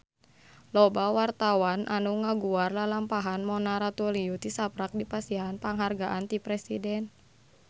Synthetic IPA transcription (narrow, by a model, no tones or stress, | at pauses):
lɔbawart̪awanʔa̰nuŋaɡuarlalampaɦanmɔnaɾat̪uliut̪isapɾak̚dipasiɦanpaŋɦarɡaʔant̪ipɾɛsḭdɛn